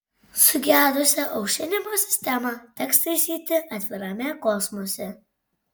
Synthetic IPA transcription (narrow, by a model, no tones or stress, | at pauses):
sʊɡʲæːd̪ʊsʲɛʔɒʊʃʲɪnʲɪmoːsʲɪ̥sʲt̪ʲɛmɐt̪ʲɛkst̪ɐɪsʲiːt̪ʲɪʔɐt̪ʲʋʲɪɾɐmʲɛkɔsmosʲɛ